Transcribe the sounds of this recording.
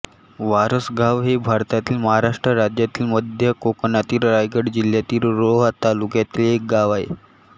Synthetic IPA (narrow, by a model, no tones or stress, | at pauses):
ʋaɾəsɡaʋɦebʱaɾt̪at̪iːlməɦaɾaʂʈɾəɾad͡ʑjat̪iːlməd̪ʱjəkoknat̪iːlɾajɡəɽd͡ʑil̤jat̪iːlɾoɦət̪alukjat̪iːlek̚ɡaʋaḛ